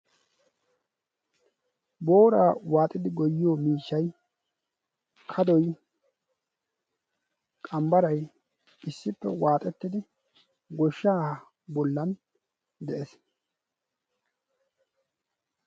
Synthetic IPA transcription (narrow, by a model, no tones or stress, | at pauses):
boːɾaːwaːt̪ʼːɪd̪ɪɡɔjːɪjoːmiːʃːɐj | kʰɐd̪ɔj | kʼɐmbɐɾɐj | ɪsːɪpːɛ̰waːt̪ʼɛt̪ːɪd̪ɪ | ɡɔʃːaːh | bɔlːɐn | d̪ɛʔes